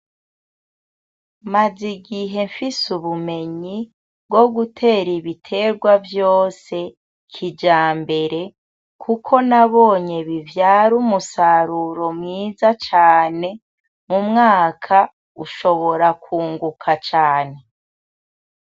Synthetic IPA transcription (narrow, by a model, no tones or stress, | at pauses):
maziɡiɦe̞ɱfisuβume̞ɲi | bɡo̞ɡutʰe̞ːɾiβitʰe̞ːɾɡwavjo̞ːse̞ | kʰid͡ʒaːmbe̞ɾe̞ | kʰukʰo̞naβo̞ːɲe̞βivjaːɾumusaɾuɾo̞mŋiːzat͡ʃaːne̞ | mumŋaːkʰa | uʃo̞βo̞ɾakuːŋɡukʰat͡ʃaːne̞